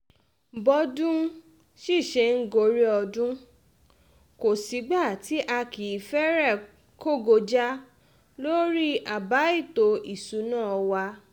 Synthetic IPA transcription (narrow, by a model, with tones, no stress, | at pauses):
bɔ˨˧dũ˦ | ʃi˦˨ʃe˧ŋ̩˦ɡo˧ɾi˦ɔ˧dũ˦ | ko˨si˨˦ɡ͡ba˦˨ti˨˦ʔa˧ki˨i˨fɛ˦ɾɛ˦˨ | ko˦˨ɡo˧d͡ʒa˦ | lo˦ɾi˦a˨ba˨˦i˦˨to˧i˨su˨˦nãː˦˨ɔ˧wa˧